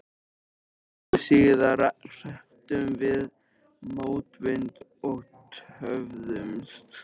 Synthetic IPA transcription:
siːðaɾar̥ɛm̥t̪ʏmvɪð | moːwt̪vɪnt̪ot̪hœvðʏmst̪

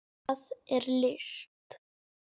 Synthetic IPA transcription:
ðɛɾlɪst̪

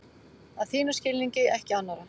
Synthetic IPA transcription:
aðθiːnascɪlniɲcɪɛhcɪanːaɾa

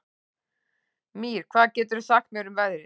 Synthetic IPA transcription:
miɾ̥kʰv̥aːðcɛːt̪ʏɾʏθakt̪̚mjœwɾʏmvɛðɾɪ

